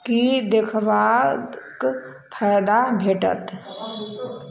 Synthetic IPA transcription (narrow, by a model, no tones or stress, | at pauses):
kid̪ekʰbad̪k | pʰajd̪abʱeʈə̰t̪